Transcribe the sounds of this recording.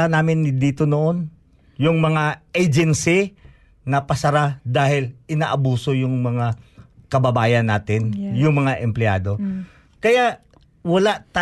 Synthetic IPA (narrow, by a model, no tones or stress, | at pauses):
anaːmɪnːɪd̪iːt̪o̞noʔo̞n | jʊŋmɐŋaʔejd͡ʒɛnsɪ | nɐpɐsɐɾad̪aːhɪlʔɪnaːʔɐbuːso̞jʊŋmɐŋakɐbɐbaːjɐnːaːt̪ɪnjʊŋmɐŋaʔɛmplɪa̰ːd̪o̞ | kɐjaʔ | wɐlaʔt̪a